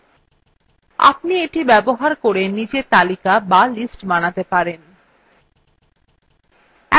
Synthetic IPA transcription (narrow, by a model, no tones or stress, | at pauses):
a̰pnieʈibɛboɦaɾkoɾenid͡ʑet̪alikabalisʈbanat̪epaɾen